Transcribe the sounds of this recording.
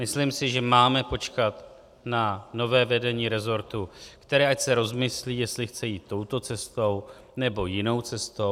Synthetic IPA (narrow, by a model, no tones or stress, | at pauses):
mɪslimsɪʒɛmaːmɛpo̞t͡ʃkat̪ | nano̞vɛːvɛdɛɲiːɾɛzo̞ɾt̪ukt̪ɛɾɛːʔacsɛɾo̞zmɪsliːjɛst̪lɪxt͡sɛjiːt̪ːo̞wt̪o̞t͡sɛst̪o̞w | nɛbo̞jɪno̞wt͡sɛst̪o